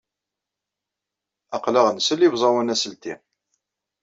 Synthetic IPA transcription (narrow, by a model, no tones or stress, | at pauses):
ɑqlaʁənsəlːivzˤɑwænæsəlt̪i